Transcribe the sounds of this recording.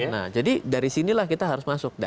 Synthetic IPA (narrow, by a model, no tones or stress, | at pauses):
na̰hd͡ʒadidaɾisinilahkit̪aɦaɾʊsmasʊk̚da̰